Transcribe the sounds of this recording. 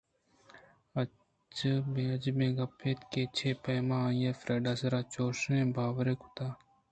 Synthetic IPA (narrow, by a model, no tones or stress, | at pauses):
ɐ | t͡ʃəbeɐd͡ʒmẽːɡɐpʰːeːt̪keːt͡ʃʰeːpeːmãːjeːfɾeːɖaːsɐɾaːt͡ʃoːʃnẽːbʱaːwɾeku̥t̪aː